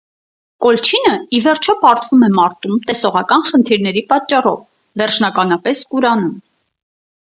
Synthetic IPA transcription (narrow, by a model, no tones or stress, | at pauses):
kɔlt͡ʃʰinəivɛɾt͡ʃʰɔpɑɾt̪ʰvumɛmɑɾt̪umt̪ɛsɔʁɑkɑnχənt̪ʰiɾnɛɾipɑt͡ʃːɑrɔv | vɛɾrt͡ʃʰnɑkɑnɑpɛskuɾɑnum